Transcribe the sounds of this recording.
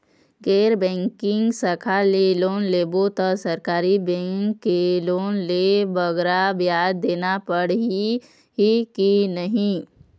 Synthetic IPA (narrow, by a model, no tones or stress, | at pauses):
ɡeːɾbɛ̃ːŋkɪ̃ŋɡsəkʰaleloːnleːbot̪əsəɾkaːɾibɛ̃ːŋkːeloːnlebəɡɾabjaːd̪ːeːnapəɽi | ɦikinəɦĩ